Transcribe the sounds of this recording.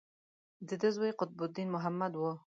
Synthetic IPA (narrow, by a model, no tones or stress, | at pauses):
d̪əd̪əzwejqʊt̪̚bʊd̪inmʊɦamːad̪wʊ